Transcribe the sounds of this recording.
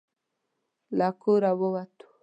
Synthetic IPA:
lakuɾaβowat̪u̥

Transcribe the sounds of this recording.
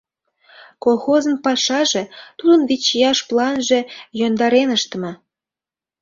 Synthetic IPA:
kolˠxozənpɑʃɑʒe̽t̪ud̪ənβit͡ɕjɑʃplˠɑnʒe̽jond̪ɑɾenəʃt̪ə̆mɤ

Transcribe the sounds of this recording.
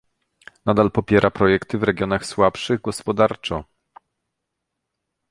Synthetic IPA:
nad̪alpɔpʲjɛɾʔapɾɔjɛkt̪ɘvɾɛɡʲjɔnaxswapʂɘɣɡɔspɔd̪aɾt͡ʂɔ

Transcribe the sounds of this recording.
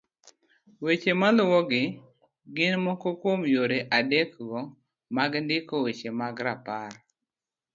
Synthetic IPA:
wet͡ʃemalwɔɡɪ | ɡɪnmɔkɔkomjoɾeʔadekɡɔ | maɡndɪkɔwet͡ʃemaɡɾapar

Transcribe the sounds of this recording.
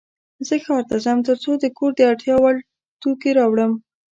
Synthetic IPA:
zəxɑɾt̪azamt̪əɾt͡sod̪əkoɾd̪əɑʈjɑwal | t̪ukeɾɑwɽəm

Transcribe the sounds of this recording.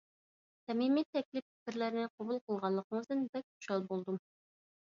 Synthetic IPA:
t̪ɛmimit̪ʰɛkʲlɪp̚pʰɪ̥kʲɪɾlæɾnɪqʰobulˠqʰəlˠʁɑlˠːəqəŋəzd̪ɨnbɛk̚ʲu̥ʃɑlˠbolˠd̪um

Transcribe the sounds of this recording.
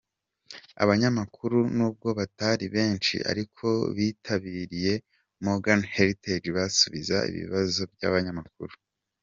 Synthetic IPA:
a̰βaɲamakʰuɾunuːb̚ɡo̞βataːɾiβe̞ːnt͡ʃḭʔa̰ɾikʰo̞βitʰaβiːɾije̞ | moɡanheɾited͡ʒβasuβiza̰ḭβḭβazo̞b̚ja̰βaɲamak̚ṵɾu

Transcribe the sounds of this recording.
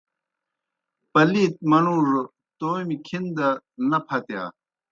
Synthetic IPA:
pɐliːt̪̚mɐnuːʐ | t̪oːmikʰind̪ɐnɐpʰɐt̪ja̰ː

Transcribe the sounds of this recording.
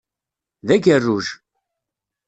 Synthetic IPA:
ðæɡərːuʒ

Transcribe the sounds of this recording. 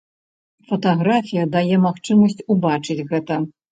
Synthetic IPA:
fɐt̪aɣɾafʲijɐd̪ajɛmaxt͡ʂɨmɐsʲt͡sʲubat͡ʂɨt͡sʲɣɛt̪ɐ

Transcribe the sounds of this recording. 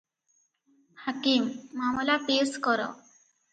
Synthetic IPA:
hakimːamɔlapeskɔɾɔ̰

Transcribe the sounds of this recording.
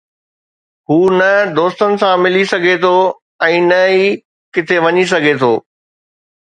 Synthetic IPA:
ɦuːnɐd̪oːst̪ənɪ̆sãmɪlisɐɡʱet̪ʰo | ɛ̃ːnɐiː | kɪt̪ʰeʋɐɲis̬ɐɡʱet̪ʰoː

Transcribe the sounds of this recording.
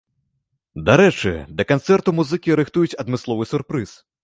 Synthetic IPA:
d̪aɾɛt͡ʂɨ̰d̪ɐkant̪sɛrt̪umuzɨkʲiɾɨxt̪ujut͡sʲɐd̪mɨslˠɔvɨsʲurpɾɨs

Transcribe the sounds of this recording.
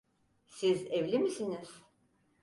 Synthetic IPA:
sizevlʲimisiniz̥

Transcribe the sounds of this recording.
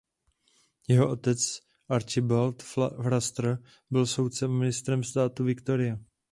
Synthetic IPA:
jɛɦoʔo̞t̪ɛt͡s | ʔaɾt͡ʃɪbalt̪ffɾast̪ɾ | bɪlso̞wt̪t͡sɛmːɪnɪst̪ɾɛmst̪aːt̪uvɪkt̪o̞ɾɪja

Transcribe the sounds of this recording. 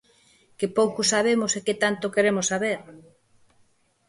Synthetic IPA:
kepowkosaβ̞emoseket̪ant̪okeɾemosːaβeɾ

